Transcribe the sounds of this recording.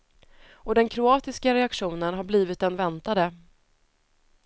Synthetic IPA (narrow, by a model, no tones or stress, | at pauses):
ɔd̪ɛnkʰɾʊɑːt̪ɪskaɾɛakɧuːnənɦaɾbliːvɪt̪̚d̪ɛnvɛnt̪ad̪ə